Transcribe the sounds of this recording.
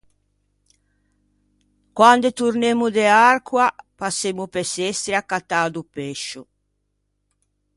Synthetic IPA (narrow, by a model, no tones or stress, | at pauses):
kwand̪et̪uɾnemud̪earkwapasːemupɛsest̪ɾiakːat̪ːaːd̪upeʃu